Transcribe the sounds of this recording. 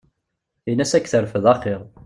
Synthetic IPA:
inæsækːθəɾfəðɑqːiʁ

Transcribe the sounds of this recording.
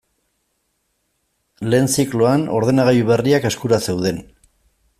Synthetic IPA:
le̞ːnt͡sikloano̞̰ɾð̞e̞naɣ̞ajuβe̞riake̞skuɾase̞wðe̞n

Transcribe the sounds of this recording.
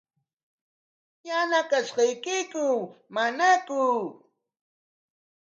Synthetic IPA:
janakaʃɢɑjkɪkʊmanakʊ

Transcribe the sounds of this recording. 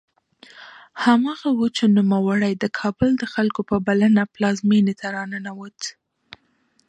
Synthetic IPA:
hamɑɣawut͡ʃenumawaɽajd̪əkʰɑbəld̪əxalkopəbalənaplɑzmenet̪aɾɑnənawət̪

